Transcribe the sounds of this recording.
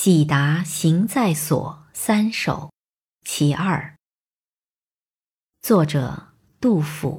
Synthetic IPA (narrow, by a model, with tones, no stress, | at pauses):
t͡ɕi˨˩t̪a˧˥ɕi˧˥ŋt͡sa˥˩ɪswɔ̰˨˩˦sa˥nʂo̰˨˩ʊ | t͡ɕʰi˧˥ʔɐ˞˥˩ | t͡swɔ˥˩ʈ͡ʂɤ̰˨˩ | t̪u˥˩fṵ˨˩˦